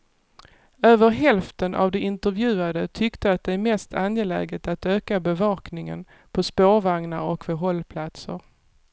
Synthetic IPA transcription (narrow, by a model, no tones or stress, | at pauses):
øːvəɾɦɛlft̪ənʔa̰vd̪ɛʔɪnt̪əɾvjʉ̟ːad̪ət̪ʰʏkt̪əat̪̚d̪ɛæɾmɛst̪ʰanjɛlɛ̰ːɡət̪at̪øːkabɛvɑːknɪŋə̰n | pʰɔspoːɾvaŋnaɾɔkvɛɦɔlːpʰlat̪sə̰ɾ